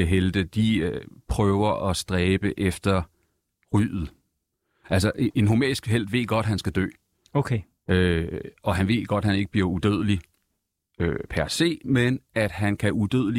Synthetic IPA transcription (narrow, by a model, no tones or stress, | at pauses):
əɦeld̥əd̥iøpʰʁœːʊɐʔɒ̽sd̥ʁɛːb̥əʔefd̥ɐ | ʁy̰ːð̩ˠ | æls̬ɐʔʔe̝nɦo̝mɛ̰ːisɡ̥ɦel̰d̥ʋe̝ð̰ˠɡ̥ɒ̽d̥ɦænsɡ̥æd̥ø̰ː | okʰe | øɒ̽ɦænʋe̝ðˠɡ̥ɒ̽d̥hæne̝ɡ̥əb̥liɐud̥øð̰ˠəli | øpʰæɐse̝̰ːmenæd̥ɦænkʰæʔud̥øðˠəli